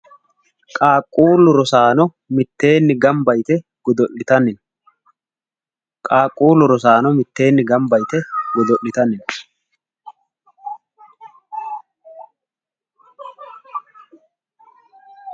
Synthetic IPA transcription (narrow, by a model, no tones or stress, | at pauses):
kʼaːkʼːuːlːʊɾɔsaːnɔ | mɪt̪ːe̞ːnːɪɡɐmbɐjt̪ɛɡ̥ɔd̪ɔʔɪt̪ɐnɪn | kʼaːkʼːuːlʊɾɔs̬aːnɔmɪt̪ːe̞ːnːɪɡɐmbɐjt̪ɛɡɔd̪ɔʔːɪt̪ɐnɪn